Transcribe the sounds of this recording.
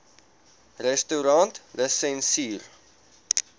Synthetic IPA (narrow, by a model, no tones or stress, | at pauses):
rɛstuɾɑntləsɛnsiːr